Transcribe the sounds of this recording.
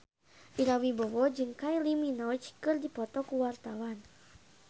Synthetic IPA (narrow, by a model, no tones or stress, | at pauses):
ʔiɾawibɔwɔd͡ʒɨŋkajliminɔt͡ʃkɨrdipɔt̪ɔkuwart̪awan